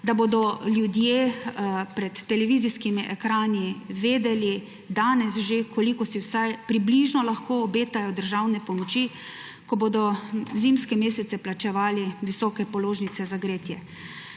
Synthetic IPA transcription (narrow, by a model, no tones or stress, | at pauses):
d̪abod̪ɔljud̪jeːpɾɛt̪ːɛlɛʋiziskimiʔɛkɾaːniʋeːd̪ɛli | d̪aːnɛsʒekʰɔlikɔsiwsajpɾibliʒnɔlaxkoːbeːt̪ajɔd̪əɾʒawnɛpɔmɔt͡ʃi | kɔbod̪ɔzimskɛmeːsɛt̪sɛplat͡ʃɛʋaːliʋisɔːkɛpɔloːʒnit̪sɛzaɡɾeːt̪jɛ